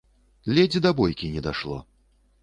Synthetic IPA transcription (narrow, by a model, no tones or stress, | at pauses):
lʲɛd͡zʲid̪ɐbɔjkʲinʲɛd̪aʂlˠɔ̰